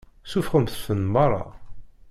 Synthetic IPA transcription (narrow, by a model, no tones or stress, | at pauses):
sufχəmθθənmɑɾˤːɑ̰